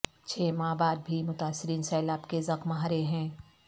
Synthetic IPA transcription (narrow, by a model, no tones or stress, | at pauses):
t͡ʃʰeːmaːbaːɾ̚bʱimʊt̪aːsːɪɾiːnsɛːɪlaːpkezɐxmɦaɾeɦɛ̃ː